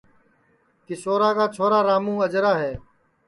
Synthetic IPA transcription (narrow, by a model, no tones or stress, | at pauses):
k̪ɪsoːɾaːkaːt͡ʃʰoːɾaːɾaːmũːəd͡ʒɾaːɦeː